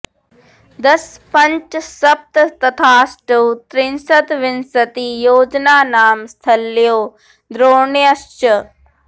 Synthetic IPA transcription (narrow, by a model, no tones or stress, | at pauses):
d̪ɐspɐ̃ɲt͡ʃsɐp̚t̪t̪ɐt̪ʰaːsʈəwt̪ɾɪnsɐt̪ʋɪnsɐt̪ijoːd͡ʒnaːnaːmst̪ʰɐlːjoː | d̪ɾoːɳjəst͡ʃə